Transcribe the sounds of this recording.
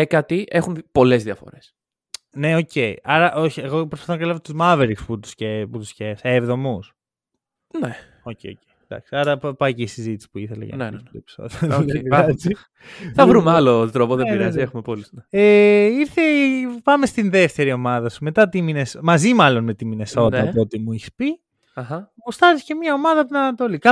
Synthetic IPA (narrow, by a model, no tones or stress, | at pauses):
ekɐt̪iʔe̞xunpo̞le̞zðiɐfo̞̰ɾe̞s | ne̞o̞ce̞ḭɐɾɐʔo̞çieɣo̞pɾofɐθnɐkɐlevot̪uzmɐveɾiksput̪u̥sceput̪uscesevðo̞mus | ne | ocejocejd̪ɐ̰ksiɐɾɐppɐjceisizit̪isi̥puiθelɐ̰ʝɐ̰epi̥so̰ðioeɐsi | θɐvɾumɐlot̪ɾopoðebiɾɐziexumepo̞lisneeiɾθepɐmest̪inðe̞ft̪e̞ɾio̞mɐðɐsume̞t̪ɐt̪iminesmɐzimɐlo̞nme̞t̪imineso̞t̪t̪ot̪imuiçi̥spi | ɐxɐpust̪ɐzisce̞mɲɐo̞mɐðɐpnɐt̪olikɐ